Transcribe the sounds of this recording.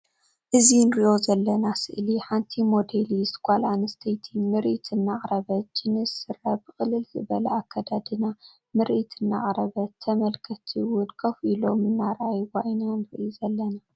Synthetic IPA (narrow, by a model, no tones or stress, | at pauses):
ʔɨzinɨɾiʔo̞zɐlːɐnasɨ̰ʔliħant̪ʰimo̞d̪eliskʷʼalanɐst̪ʰɐjt̪ʰimɨɾʔit̪ʰɨnːaʔɾɐβɐt͡ʃɨnɨsɨɾɐbɨxʼɨlɨlzɨbɐlɐakʰːad̪ad̪ɨna | mɨɾʔit̪ʰɨnːa̰ʔʼɾɐβɐt̪ʰːɐmɐlkʰɐt̪ʰiwʊnkʰɐfʔilo̞mɨnːaɾajwajnanɨɾʔjuzɐlːɐna